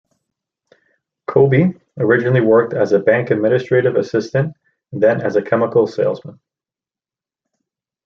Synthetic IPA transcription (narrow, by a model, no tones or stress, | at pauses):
kʰoʊbi | ə˞ɪd͡ʒɨnl̩ˠiwɜ˞k̚tɨzɨbæ̃ŋkɨd̚mɪ̃nɨstɹ̥eɪɾɨvɨsɪstɨ̃n | ðɨ̃nɨzɨkʰɛməkl̩ˠseɪlˠzmə̃n